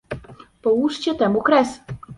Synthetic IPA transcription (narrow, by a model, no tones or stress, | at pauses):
pɔwuʂt͡ɕɛt̪ɛmukɾɛs